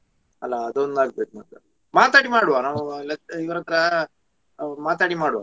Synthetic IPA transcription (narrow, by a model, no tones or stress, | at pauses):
ɐlːaːd̪ond̪aːɡ̚bet̪naɡ̪ɐ | maːt̪aːɽimaːɽuʋanaːʋulɐiʋɾɐkɾa | maːt̪aɽimaːɽuʋa̰